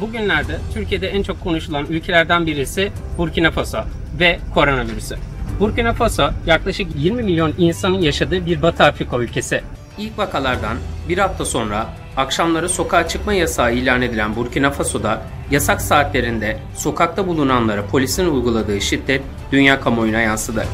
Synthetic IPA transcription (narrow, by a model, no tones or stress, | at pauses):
buɟynlʲæɾd̪ɛt̪ʰyɾcʰije̞d̪ɛænt͡ʃʰo̞kʰːo̞nuʃulˠanylʲcʰe̞lʲæɾd̪ænbiɾisɪ | buɾcinafaso | vɛkʰo̞ɾo̞naviɾysy̰buɾcinafasojaklˠaʃɯkjiɾmimilʲjo̞ninsanɯnjaʃad̪ɯːbiɾbat̪ʰaːfɾikʰoylʲcʰe̞sɪ | ilʲcvakʰalˠaɾd̪anbiɾhaft̪ʰaso̞nɾaː | kʃamlˠaɾɯso̞kʰaːt͡ʃʰɯkmajasaːilʲaːne̞d̪ilʲænbuɾcʰinafaso̞d̪a | jasaksaːt̪lʲe̞ɾind̪ɛ | so̞kʰak̚t̪ʰabulˠunanlˠaɾɯpʰo̞lʲisinujɡulˠad̪ɯːʃit̪ːɛt̪̚ | d̪̥ynjaːkʰamo̞junajansɯd̪ɯ